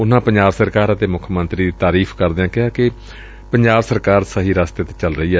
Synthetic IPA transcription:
ʊnãːpə̃ɲd͡ʒaːbsəɾkaːɾət̪eːmʊkʰmə̃nt̪ɾiːd̪iːt̪aːɾiːfʰkəɾd̪eːãːkɪɦaːkɪ | pəɲd͡ʒaːbsəɾkaːɾsəɦiːɾaːst̪eːt̪eːt͡ʃəlɾəiːɛː

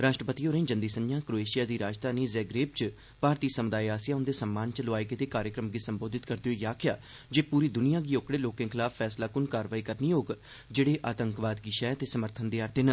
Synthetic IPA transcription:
ɾaːʃʈɾəpət̪iːoːɾẽːd͡ʒənd̪iːsəɲjãːkɾoːeːʃɪjaːd̪iːɾaːd͡ʒt̪aːneːzɛːɡɾeːp̚t͡ʃ | paːɾt̪iːsəmd̪aːiaːsɪjaːʊnd̪eːsəmːaːnt͡ʃloaːiɡeːt̪eːkaːɾjəkɾəmɡiːsəmboːd̪ʱɪt̪kəɾd̪eoːjaːkʰɪjaː | d͡ʒeːpuːɾiːd̪ʊnɪjãːɡiːoːkɽeːloːkẽːkʰɪlaːpʰːɛːslaːkʊnkaːɾʋaːiːkəɾniːoːɡ | d͡ʒeːɽeːʔaːt̪əŋkʋaːd̪ɡiʃɛːt̪eːsəməɾt̪ʰənd̪eːaːɾt̪enə

